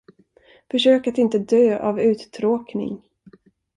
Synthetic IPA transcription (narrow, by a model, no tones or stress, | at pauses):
fœʂøːkat̪ɪnt̪əd̪øːʔavʉ̟ːt̪t̪ʰɾoːknɪ̰ŋ